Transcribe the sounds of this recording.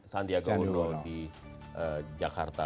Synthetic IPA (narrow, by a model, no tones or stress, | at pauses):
sandiaɡaunodi | ʔəd͡ʒakart̪a